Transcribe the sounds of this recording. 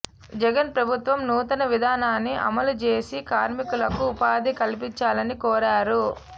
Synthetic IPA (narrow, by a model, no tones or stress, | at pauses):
d͡ʒɛɡɐnpɾɐbʱut̪ʋɐmnuːt̪ɐnɐʋid̪ʱaːnaːnːiʔɐ̰mɐlut͡ʃe̞ːsikaːɾmikulɐkuːpaːd̪ikɐlip̬iɲt͡ʃaːlɐnikɔːɾaːɾu